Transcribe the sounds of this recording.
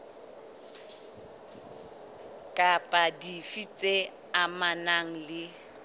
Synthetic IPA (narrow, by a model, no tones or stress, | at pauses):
kʼapʼadifit͡sʼe | amanaŋ̩lɪ